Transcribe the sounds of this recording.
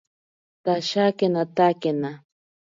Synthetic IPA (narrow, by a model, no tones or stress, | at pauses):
t̪aʃakenat̪akena